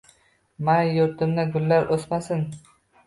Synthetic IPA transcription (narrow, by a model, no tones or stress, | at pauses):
manjʊɾt̪ʰɪmnaɡʊlːaɾʔosmasɪn